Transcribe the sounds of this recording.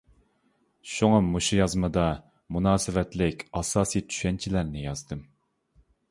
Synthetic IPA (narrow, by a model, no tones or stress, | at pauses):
ʃuŋɑmuʃujɑzmɨd̪ɑ | munɑːsɨvɛt̪lɪkʲɑsɑːsijt̪ʰy̥ʃɛnt͡ʃʰilæɾnɪjɑzd̪ɨm